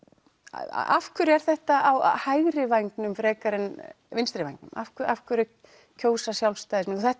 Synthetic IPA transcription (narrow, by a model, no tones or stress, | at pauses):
afkʰʏɾɛɾ̥θɛht̪aʔawhajɣɾɪvajŋknʏmfɾɛːkaɾɪn | vɪnst̪ɾɪvajŋknʏ̰ma̰fkʏɾa̰fkʏɾɪ | cʰoːwsasjawlst̪ajðɪsmɛnθuθɛht̪